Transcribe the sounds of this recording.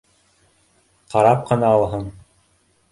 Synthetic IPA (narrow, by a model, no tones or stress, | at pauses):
qɑɾɑp̚qɤ̆nɑɑlˠɦɤɴ